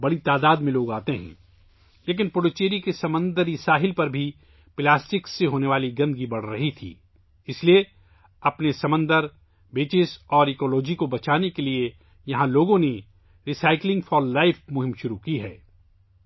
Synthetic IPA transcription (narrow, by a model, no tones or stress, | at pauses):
bɐɽit̪aːd̪aːd̪mẽloːɡaːt̪eɦɛ̰̃ː | leːk̬ɪnpʊɽot͡ʃeːɾikesɐmə̃nd̪əɾisaːɦɪlpɐɾbʱi | plaːsʈɪkseɦoːneʋaːliɡɐ̃nd̪ɡibɐɽ̤ɾɐɦit̪ʰḭː | ɪslie | ɐpnesɐmə̃nd̪əɾ | beːt͡ʃɪsɔːɾekɔːlɔːd͡ʒikobɐt͡ʃaːnekelie | jɐɦãloːɡõne | ɾisaːɪklɪ̃ŋɡfʰɔːlːaːɪfmʊɦɪ̃mʃʊɾukiɦɛ̰ː